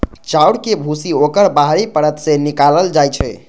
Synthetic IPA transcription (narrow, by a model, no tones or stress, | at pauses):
t͡ʃawɽkebʱusiokəɾbaɦɾipəɽət̪sẽnikaləld͡ʒajt͡ʃʰɛ̰